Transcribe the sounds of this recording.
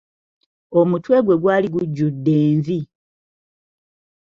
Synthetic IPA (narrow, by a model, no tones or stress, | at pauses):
o̞mutwe̞ːɡwe̞ɡwaːliɡuɟːudːeːɱvi